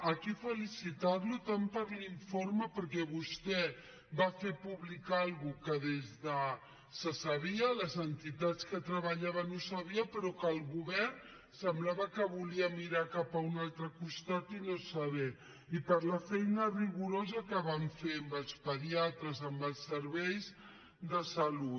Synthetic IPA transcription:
əkifəlisit̪aɾlut̪ampəɾliɱforməpəɾkɛβust̪ɛ | bafepuβlikalˠɣukəðezðə | səsɐβiələzənt̪it̪at͡skət̪ɾəβəʎaβənosɐβ̞iəpəɾɔkəlˠɣuβɛrn | səmblaβəkəβuliəmiɾakapəunalˠt̪ɾəkust̪at̪inosəβɛ | ipəɾləfɛjnəriɣuɾozəkəβaɱfeəmbəlˠspəðiat̪ɾəzəmbəlˠsːəɾβɛjz | ðəsəlu

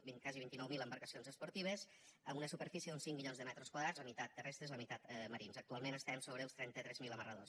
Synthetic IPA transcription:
bikaziβint̪inɔwmiləmbəɾkəsionzəspuɾt̪iβ̞əz | əmunəsupəɾfisieðunsiŋmiʎonzðəmɛt̪ɾoskwaðɾad͡zləmit̪at̪ːərɛst̪ɾezəmit̪at̪məɾinzək̚t̪ualˠmẽnəst̪ɛmsoβɾəəlˠst̪ɾɛnt̪ət̪ɾɛzmiləmərəðo̰s

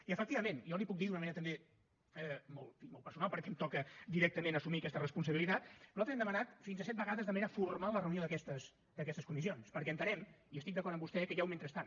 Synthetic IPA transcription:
iəfək̚t̪iβəmenjɔlipuk̚d̪iðunəmɐneɾət̪əmbe | ɛmɔlˠfimɔlˠpəɾsunalˠpəɾkɛmt̪ɔkəd̪iɾɛk̚t̪əmenəsumikɛst̪ərəspunsəβilit̪at̪nuzalt̪ɾzɛmd̪əmənat̪finzəsɛt̪̚bəɣaðəzðəmɐneɾəfurmalərəunioðəkɛst̪əs | d̪əkɛst̪əskumisionspəɾkɛənt̪əɾɛmiəst̪ikd̪əkɔɾəmbust̪ɛkəjawment̪ɾəst̪an

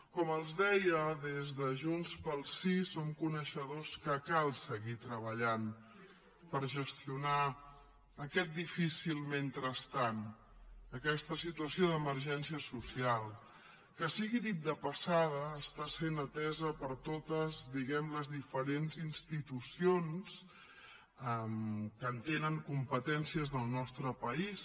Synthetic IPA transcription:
kɔməlˠzðɛjəðezðəʒunspəlˠsisomkunəʃəðoskəkalˠsəɣit̪ɾəβ̞əʎan | pəɾʒəst̪iuna | əkɛt̪̚d̪ifisilˠment̪ɾəst̪an | əkɛst̪əsit̪uəsioðəməɾʒɛnsiəsusialˠ | kəsiɣiðit̪̚d̪əpəsað̞əːst̪asenət̪ɛzəpəɾt̪ot̪əzd̪iɣɛmləzðifəɾenzinst̪it̪usions | əmkəːnt̪enəŋkumpət̪ɛnsiəzðəlˠnɔst̪ɾəpəis

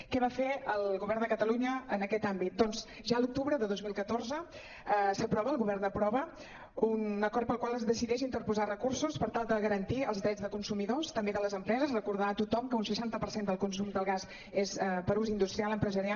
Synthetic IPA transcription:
kɛβafeəlˠɣuβɛrnd̪əkət̪əluɲəənəkɛt̪ambit̪̚d̪ɔnz | ʒaəluk̚t̪uβɾəðəðozmilˠkət̪orzə | əsəpɾɔβəlˠɣuβɛrnd̪əpɾɔβə | unəkɔɾrt̪̚pəlˠkwalˠəzðəsiðɛʒint̪əɾpuzarəkursuspəɾt̪alˠd̪əɣəɾənt̪iə̰lˠzðɾɛd͡zðəkunsumiðost̪əmbeðələzəmpɾɛzəzrəkuɾðat̪ut̪ɔmkəunsəʃant̪əpəɾsend̪əlˠkunsumd̪əlˠɣaz | ezəpəɾuzind̪ust̪ɾialˠəmpɾəzəɾial

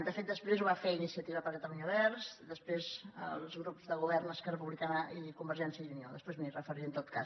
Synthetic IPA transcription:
d̪əfet̪̚d̪əspɾezuβafeinisiət̪iβəpəɾkət̪əluɲəβɛɾsd̪əspɾezə̰lˠzɣɾupzðəɣuβɛɾnəskərəpuβlikanəʔikumbəɾʒɛnsjəðunioðəspɾezmirəfəɾiənt̪ot̪̚ka̰

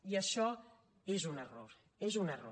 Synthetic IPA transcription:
iəʃɔ | ezunəroɾ | ezunəro̰

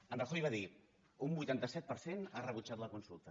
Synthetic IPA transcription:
ənrəxojβaði | umbujt̪ant̪əsɛt̪̚pəɾsenarəβ̞ut͡ʃat̪ləkunsulˠt̪ə

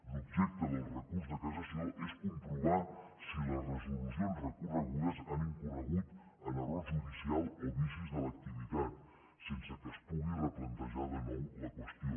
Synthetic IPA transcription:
lubʒɛk̚t̪əðəlrəkurzðəkazəsɛʔeskump̪ɾuβa | silərəzuluzonrəkuɾzəɣulezaniŋkurəɣut̪ | ələɾazunisialˠeβisizðələk̚t̪iβit̪at̪̚ | sensəkəspɔɣiləplənt̪əʒaðəmoləkwəst̪io

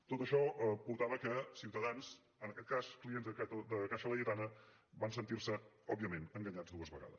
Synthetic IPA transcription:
t̪ot̪əʃɔəpuɾt̪aβəkəsiwt̪əðanz | ənəkɛt̪̚kasklienzðəd̪əkaʃələʎət̪anə | bansənt̪irsə | ɔbiəmenəŋɡəɲad͡zd̪uəzβəɣa̰ðəs

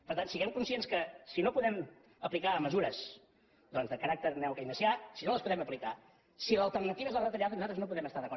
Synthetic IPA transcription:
pəɾt̪ansiɣɛmkunsienskəsinopuðɛm | əplikaəməzuɾəz | d̪ɔnzðəkəɾak̚t̪ərnɛwkəinəsiasinoləspuðɛməplika | silˠəlˠt̪ərnət̪iβəzaðət̪əʎaðənuzat̪ɾəznop̬uðɾɛməst̪aɾðəkɔ

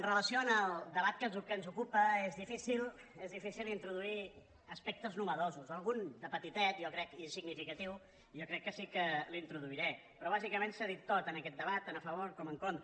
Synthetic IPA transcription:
ənrələsioənəlˠd̪əβat̪̚kəzukənzukupəezðifisilˠ | ezðifisilˠint̪ɾuðui | əspɛk̚t̪əznuβəðozuzəlˠɣund̪əpət̪it̪ɛt̪jɔkɾɛkinsiɡnifikət̪iw | jokɾɛkːəsikəlint̪ɾuðuiɾɛ | pɾɔβ̞azikəmensaðit̪ːot̪ənəkɛt̪d̪əβat̪ːanəfəβ̞oɾkɔməŋkont̪

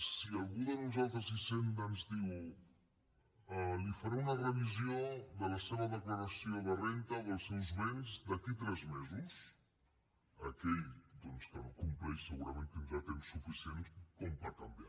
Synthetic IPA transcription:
sialˠɣuðənuzalˠt̪ɾəzisent̪anzðiw | əlifəɾeunərəβizioðəlɐseβəðəkləɾəsioβərent̪əðəlˠsɛwzβenzd̪əkit̪ɾɛzmɛzus | ɐ̰kɛʎd̪ɔnskənokumplɛʃsəɣuɾɐmẽnkənuʒat̪emsufisienskompakambja

